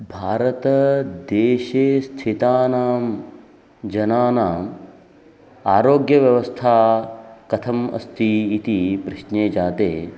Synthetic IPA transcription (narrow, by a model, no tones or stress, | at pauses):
bʱaːɾɐt̪ɐd̪eːʃeːst̪ʰit̪aːnaːm | d͡ʒɐnaːnaːm | aːɾoːɡjɐʋjɐʋɐst̪ʰaːkɐt̪ʰɐmɐ̰st̪ʰiːt̪ipɾɪʃneːd͡ʒaːt̪eː